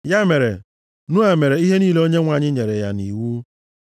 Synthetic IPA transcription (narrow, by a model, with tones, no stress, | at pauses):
ja˦me˨ɾḛ˨ | nu˦a˨me˨ɾe˨i˦ɦe˦niː˦le˦o˦ɲe˦ŋʷa˨ɲɪ˦ɲe˨ɾe˨ja̰˦ni˨wu˦